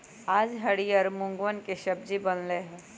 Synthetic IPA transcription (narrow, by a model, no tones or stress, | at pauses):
aːd͡ʒɦɐɽiəɾmʊ̃ŋɡʋənkeʃɐb̚d͡ʒibɐnleɦɛ̃ː